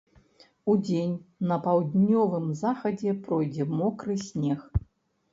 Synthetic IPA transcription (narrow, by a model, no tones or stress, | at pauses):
ud͡zʲenʲnɐpawd̪ʲnʲɔvɨmzaxɐd͡zʲɛprɔjd͡zʲɛmɔkrɨsʲnʲɛx